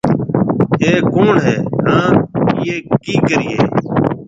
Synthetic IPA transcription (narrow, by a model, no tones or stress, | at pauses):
ɦeːkoːɳɦeːnãːnɪjeːkiːkəɾiːḛː